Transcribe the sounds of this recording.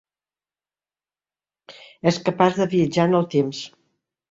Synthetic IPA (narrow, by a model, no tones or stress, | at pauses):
ɛskəpazðəβiəd͡ʒanəlˠt̪ems